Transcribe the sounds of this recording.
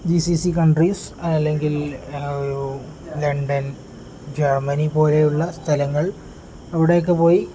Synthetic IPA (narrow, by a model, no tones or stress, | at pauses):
d͡ʑisisikɐɳɖrisɐlːe̞ŋɡiloɾu | lɐɳɖɐn | d͡ʑermɐnipo̞ːle̞juɭːɐst̪ʰɐlɐŋːɐɭ | ɐʋiɽe̞jokːepo̞ːji